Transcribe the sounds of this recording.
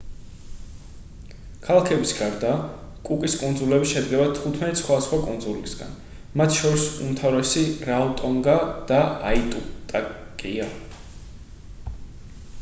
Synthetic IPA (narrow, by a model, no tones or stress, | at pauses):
kʰalˠakʰɛbisɡaɾd̪aː | kʼukʼiskʼund̪zulɛbiʃɛd̪ɡɛbat̪ʰut̪ʰmɛt̪ʼsχwad̪asχwakʼund̪zulisɡa̰n | mat̪ʰʃɔɾisṵmt̪ʰavɾɛsiɾaɔt̪ʼɔŋɡad̪̥aait̪ʼut̪ʼakʼia